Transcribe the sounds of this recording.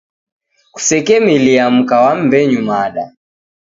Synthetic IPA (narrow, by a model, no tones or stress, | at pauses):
ku̥sɛkɛmiliam̩kawam̩bɛɲumaɗa̰